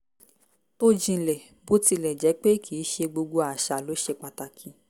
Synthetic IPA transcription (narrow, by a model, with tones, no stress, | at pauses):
to˦d͡ʒĩ˧˨lɛ˨ | bo˦ti˧lɛ˨d͡ʒɛ˨˦k͡pe˦kʰi˨˦ʃe˧ɡ͡bo˧ɡ͡bo˧a˨ʃa˨lo˨˦ʃe˧k͡pa˨ta˨kʰĩ˨˧˦